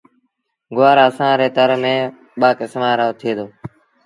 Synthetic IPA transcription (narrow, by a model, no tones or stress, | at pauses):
ɡʊaːɾəsãːɾeːt̪əɾmẽː | ɓaːkɪsmaːɾoot̪ʰeːd̪oː